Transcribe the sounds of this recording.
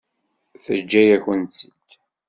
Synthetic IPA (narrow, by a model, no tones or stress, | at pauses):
θəd͡ʒːæjæçənsət̪